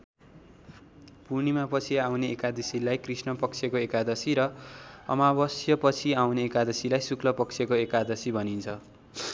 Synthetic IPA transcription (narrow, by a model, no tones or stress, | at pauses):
punimapʌt͡sʰiawneːkad̪isilajkrisnʌpʌkt͡sʰekoekad̪ʌsiɾʌʌ̰mabʌsjʌpʌt͡sʰiawneːkad̪ʌsilajsuklʌpʌkt͡sʰjekoekad̪ʌsibʱʌnint͡sʰʌ